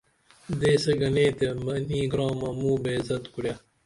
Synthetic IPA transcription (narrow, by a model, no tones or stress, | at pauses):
d̪eːseɡɐneːt̪emɐniːɡɾɑːmɐmuːbeːzɐt̪kuɽja